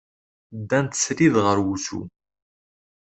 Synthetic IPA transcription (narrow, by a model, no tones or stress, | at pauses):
d̪ːænt̪ə̥sɾiðʁəɾwuθṵ